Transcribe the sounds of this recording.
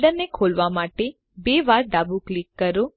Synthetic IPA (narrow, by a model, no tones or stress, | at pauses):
ɖəɾnekʰolʋamaʈe | beʋaɾɖabuklikːəɾo